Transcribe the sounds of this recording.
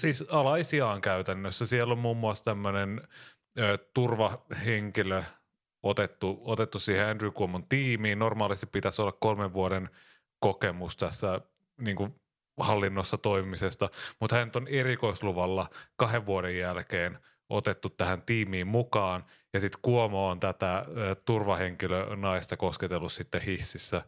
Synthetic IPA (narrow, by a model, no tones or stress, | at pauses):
siːsɑlɑisiɑːŋkæyt̪ænːøsːæsielːommuːmːuɑst̪æmːønen | øːt̪urʋɑheŋkilø | ot̪et̪ːuot̪et̪ːussiːheændrykumont̪iːmiːnnormɑːlist̪i̥ppit̪æsolːɑkkolmeʋʋuoɾen | kokemust̪æsːæ | niːŋku | hɑlːinːosːɑt̪oimimisest̪ɑmut̪hænyt̪onerikoisluʋɑlːɑkɑheʋʋuoɾejjælkeːn | ʔo̰t̪et̪ːut̪tæhænt̪iːmiːmmukɑːn | jɑsit̪kuomoːnt̪æt̪æːt̪urʋɑheŋkilønɑist̪ɑkosket̪elːussit̪ːehihsisːæ